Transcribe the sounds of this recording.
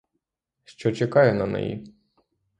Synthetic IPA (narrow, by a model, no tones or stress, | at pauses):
ʃt͡ʃɔt͡ʃekɑjʊnɐnɛ̰jḭ